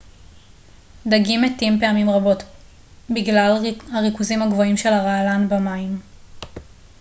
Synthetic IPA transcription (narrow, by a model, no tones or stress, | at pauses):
d̪aɡimetimpe̞amimʁabo̞t | biɡlalhaʁikuzimhaɡvo̞imʃe̞laʁaːlanbamaim